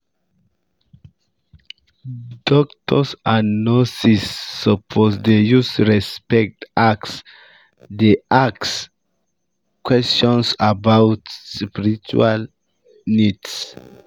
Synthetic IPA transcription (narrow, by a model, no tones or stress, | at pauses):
dɔk̚tʰɔsanɔsisːɔpʰosdejusɹɛspɛk̚taks | deʔaks | kwɛstɔ̃nsabawtspiɹit͡ʃṵal | nids